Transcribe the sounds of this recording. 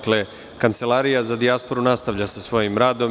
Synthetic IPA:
kle̞ | kant̪se̞laːɾijazad̪iaspo̞ɾunast̪aʋʎasasʋo̞jimɾaːd̪o̞m

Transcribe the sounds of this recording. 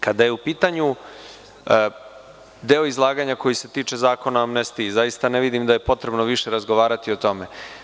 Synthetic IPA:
kad̪aje̞upiːt̪aɲu | d̪e̞o̞izlˠaːɡaɲako̞jiset̪iːt͡ʂe̞zaːko̞naamnest̪izajist̪aneʋid̪imd̪aje̞po̞t̪ɾe̞bno̞ʋiʃe̞ɾazɡo̞ʋaːɾat̪io̞t̪o̞me̞

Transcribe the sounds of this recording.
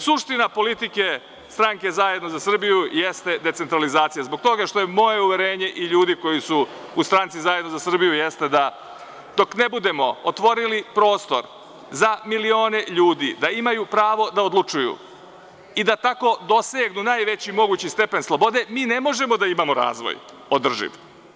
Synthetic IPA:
suʂt̪inapo̞lit̪ike̞ | st̪ɾaŋke̞zajed̪no̞zasr̩bijujest̪e̞d̪et̪se̞nt̪ɾalizaːt̪sijazbo̞ɡ̚t̪o̞ɡaʂt̪o̞jemo̞je̞uʋe̞ɾeːɲe̞ʔiʎuːd̪iko̞jisuust̪ɾant̪sizajed̪nozasr̩bijujest̪e̞d̪a | d̪̥o̞knebud̪e̞mo̞ot̪ʋo̞ɾilipɾo̞ːst̪o̞̰ɾ | zamilio̞ːne̞ʎuːd̪id̪aimajupɾaːʋo̞d̪aod̪lˠut͡ʃujṵ | id̪at̪ako̞d̪o̞seːɡnunaːjʋe̞t͡ɕimo̞ɡuːt͡ɕist̪e̞pe̞nslˠobo̞d̪e̞miːne̞mo̞ʒe̞mo̞d̪aimamo̞ɾa̰ːzʋo̰j | od̪r̩ʒḭʋ

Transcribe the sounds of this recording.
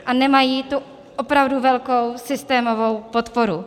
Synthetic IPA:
ʔanɛmajiːt̪u | ʔopɾavduvɛlkowsɪst̪ɛːmovo̞wpot̪poɾu

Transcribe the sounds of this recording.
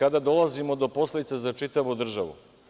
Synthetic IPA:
ad̪ad̪o̞lˠazimo̞d̪o̞po̞sled̪it̪sezat͡ʃit̪aʋud̪r̩ʒaʋṵ

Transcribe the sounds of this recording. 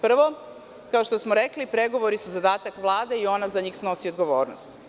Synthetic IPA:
pr̩ʋo̞ | kaoʃt̪osmoɾeklipɾeɡo̞ʋo̞ɾisuzad̪aːt̪akʋlˠaːd̪eio̞nazaɲiːxsno̞siod̪ɡoʋoːɾnost̪

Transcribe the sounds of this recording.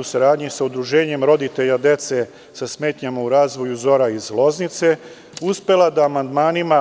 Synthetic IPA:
usaɾaːd̪ɲisaud̪ɾuʒeːɲe̞mɾo̞d̪it̪e̞ʎad̪e̞t̪se̞ | sasme̞ːt̪ɲamauɾaːzʋo̞juzo̞ɾaizlˠo̞znit̪se̞ | uspe̞lˠad̪aːmand̪maːnima

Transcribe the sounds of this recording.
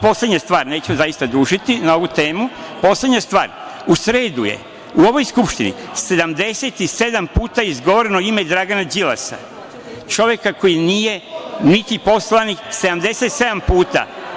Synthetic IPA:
po̞sleɲast̪ʋaːɾne̞ːt͡ɕemozajist̪ad̪ɾuːʒit̪inao̞ʋut̪e̞ːmupo̞sle̞d̪ɲast̪ʋaːɾusɾe̞ːd̪uje̞̰ | uo̞ʋo̞jskupʃt̪inḭse̞d̪amd̪e̞se̞t̪ise̞d̪ampuːt̪aizɡo̞ʋoɾenoime̞d̪ɾaɡanad͡ʒila̰sa̰ | t͡ʃo̞ʋje̞kako̞jinije̞nit̪ipo̞slanikse̞d̪amd̪e̞se̞t̪se̞d̪ampuːt̪a̰

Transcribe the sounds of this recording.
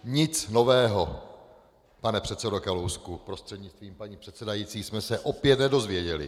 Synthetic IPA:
ɲɪt͡sno̞vɛːɦo̞ | panɛpr̝̥ɛt̪sɛdokalowskupɾost̪r̥ɛdɲɪt͡st̪viːmpaɲiːpr̥ɛt̪sɛdajiːt͡siːsmɛsɛʔo̞pjɛt̪nɛdo̞zvjɛɟɛlɪ̰

